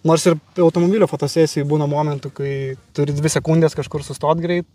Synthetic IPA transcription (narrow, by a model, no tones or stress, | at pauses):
noːɾsɪrʲɐʊt̪oːmobʲiːlʲːfoːt̪oːsʲæːsʲɪjubuːnɐmoːmʲɛnt̪ʊkɐɪt̪ʊɾʲɪd̪ʲʋʲɪsʲɛkunʲd̪ʲeːskɐʃkʊrsʊst̪oːt̪ɡɾʲɛɪt̪